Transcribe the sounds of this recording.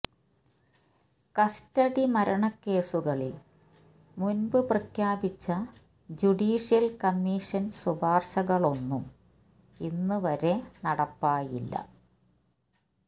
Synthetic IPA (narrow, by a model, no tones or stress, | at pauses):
kɐstɐɽimɐɾɐɳɐkːe̞ːsuɣɐɭil | munbɨprɐkʰjaːbit͡ɕːɐ | d͡ʑuɽiːʂijɐlkɐmːiːʂɐnsubʱaːrɕɐɣɐɭo̞nːum | inːɨʋɐɾe̞nɐɽɐpːaːjilːɐ̰